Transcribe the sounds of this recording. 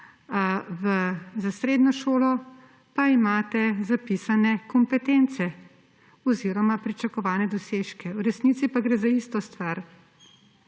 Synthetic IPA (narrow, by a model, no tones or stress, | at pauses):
ʋəzasɾeːd̪nɔʃoːlɔ | paimaːt̪ɛzapisanɛkɔmpɛt̪ent̪sɛ | ɔziːɾɔmapɾit͡ʃakɔʋaːnɛd̪ɔseːʃkɛwɾɛsnit̪sipaɡɾeːzaiːst̪ɔst̪ʋaɾ